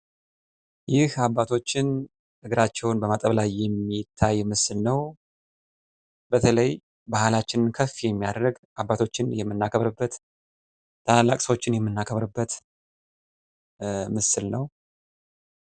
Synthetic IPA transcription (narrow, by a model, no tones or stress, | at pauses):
jɪhabːat̪ʰo̞t͡ʃːɪn | ʔɨɡɾat͡ʃːɛwnbəmat̪ʼəβlajːɛmːit̪ʰːajmɨsɨlnəw | bət̪ʰələj | bahlat͡ʃːɪnɨnkʰəfjɛmːijad̪ɾəɡ | ʔabːat̪ʰo̞t͡ʃːɪnjɛmːɨnːakʰəβɾəbːət̪ | t̪ʰalːakʼsəwo̞t͡ʃːɪnjɛmːɨnːakʰəβɾəbːət̪ | mɨsɨlnəw